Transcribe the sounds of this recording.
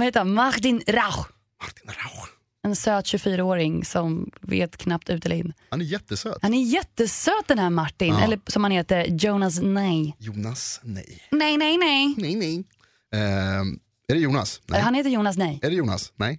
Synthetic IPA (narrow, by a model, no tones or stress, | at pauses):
vaheːt̪əɾanmaɾt̪ɪnɾax | mat̪ɪnɾa | ɛnsøːt̪ɕɵfyːɾaoːɾɪŋsɔmvḛːt̪kʰnap̚t̪ʉ̟ːt̪ɛlɾɪ̰nːhanɛɾjɛt̪ːəsøːt̪hanæɾjɛt̪ːəsøːt̪̚d̪ɛnhæːɾmaʈːɪnɛ̰lːəsɔmhanheːt̪əɾjoːnas̬nɛjjuːnasnɛ̰jnɛjnɛjnɛjɛɛj | æɖɛjuːna̰sɛhanheːt̪əɾjuːnas̬nɛjɛɖɛjuːna̰snɛj